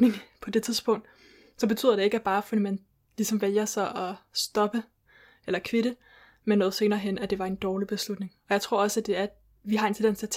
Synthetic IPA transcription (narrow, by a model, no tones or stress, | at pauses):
eŋpʰɒ̽d̥e̝t͡sʰiðˠsb̥ɔ̽ŋ̰d̥ | sɒ̽b̥e̝t͡sʰy̰ð̰ˠɐde̝e̝ɡ̥æb̥ɑ̈ːfɒdimæn | lisɒ̽mʋeljɐsɑɪʔɒsd̥ɒ̽b̥ə | ʔelɐkʰʋeɾə | menːɔ̽ːð̞̩ˠse̝ːnɐːɦen̰æd̥e̝ʋɑ̈e̝nd̥ɒːlib̥e̝slud̥ne̝ŋɒ̽jɑ̈ɪt͡sʰʁo̝ɐ̰ɒ̽sæd̥e̝æɐ | ʋiɦɑ̈e̝nsʰed̥ensæt͡sʰ